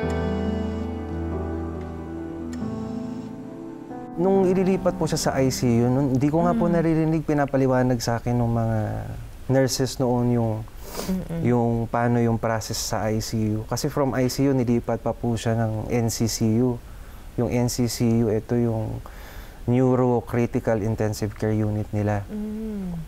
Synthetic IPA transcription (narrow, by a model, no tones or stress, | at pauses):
nʊŋɪliliːpɐt̪̚pʊʃasɐʔajsijʊnonnd̪ikoŋaponɐɾiɾɪnɪɡ̚pɪnaːpɐlɪwaːnɐɡ̚sɐʔaːkɪnːʊŋmɐŋa | nɛɹsɛsnoʔonjʊŋ | jʊŋpaːno̞jʊŋpɾaːsɛsːɐ̰ʔajsiːjukɐsɛfɾɐmʔajsiːjunɪliːpɐt̪̚pɐpuʃanɐŋʔɛnsisiju | jʊŋʔɛnsisijuɛt̪o̞jʊŋ | njuːɾokɾit̪ɪkɐlɪnt̪ɛnsɪvkɛɹjuːnɪt̪̚nɪla